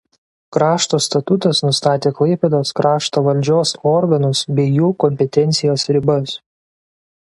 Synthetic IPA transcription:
kɾɑːʃt̪oːst̪ɐt̪ʊt̪ɐsnʊst̪ɑːt̪ʲeːklˠɐɪpʲeːd̪oːskɾɑːʃt̪oːʋɐlʲd͡ʒʲoːsɔɾɡɐnʊsbʲɛɪjuːkɔmʲpʲɛt̪ʲɛnʲt̪sʲɪjoːsɾʲɪbɐs

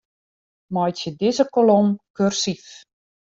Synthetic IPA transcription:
mɔjtjədɪzəkolomkørsif

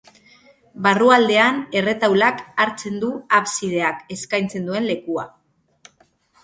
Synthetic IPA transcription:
baruald̪e̞ane̞re̞t̪awlakaɾt͡se̞nd̪uaβsið̞e̞ake̞skajnt͡se̞nd̪ue̞nle̞kua̰

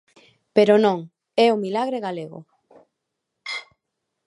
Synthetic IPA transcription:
peɾonõŋ | ɛomilaɣɾeɣaleɣo̰

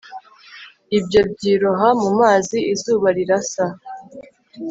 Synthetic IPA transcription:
ibjo̞bɟiːɾoɦamumaːziʔizuːβaɾiɾasa

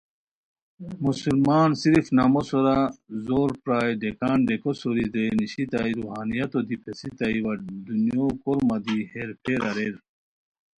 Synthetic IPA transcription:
musulmaːnsiɾfnamosoɾazoːɾpɾaːjɖekaːnɖekosoɾid̪eniɕit̪aːiɾuɦaːnijɐt̪od̪ipʰesit̪aiwɐd̪unjoːkoɾmɐd̪iheɾpʰeɾɐɾeɾ

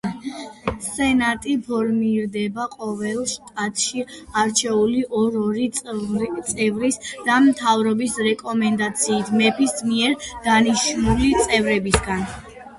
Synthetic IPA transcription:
sɛnat̪ʼipʰɔɾmiɾd̪ɛbaqʼɔvɛlˠʃt̪ʼat̪ʰʼʃiaɾt͡ʃʰɛuliʔɔɾɔɾi | t̪sʼɛvɾisd̪̥amt̪ʰavɾɔbisɾɛkʼɔmɛnd̪at̪sʰiːt̪ʰmɛpʰismiɛɾd̪̥aniʃnulit̪sʼɛvɾɛbisɡan

